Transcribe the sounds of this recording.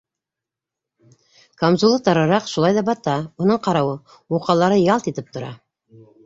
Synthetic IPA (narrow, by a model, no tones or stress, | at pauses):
kamzulˠɤt̪ɑɾɑɾɑqʃulˠɑjðɑbɑt̪ɑunɤɴqɑɾɑwɤ | wuqɑlˠɑɾɤjɑlˠt̪it̪ɘp̚t̪ŏɾɑ̰